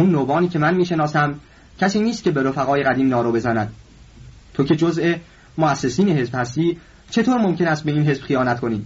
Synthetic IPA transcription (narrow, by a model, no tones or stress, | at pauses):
unːoːbɒːniːcʰe̞mænmiːʃe̞nɒːsæm | cʰæsiːniːst̪̚cʰe̞be̞ɾofæɣɒːje̞ɣæd̪iːmnɒːɾobe̞zænæd̪̥̚ | t̪ʰo̞cʰe̞d͡ʒozʔe̞ | moæsːe̞siːneɦe̞zb̥hæst̪iː | t͡ʃʰe̞t̪ʰoːɾmomcʰe̞næst̪be̞iːnɦe̞zb̥xijɒːnæt̪kʰoniː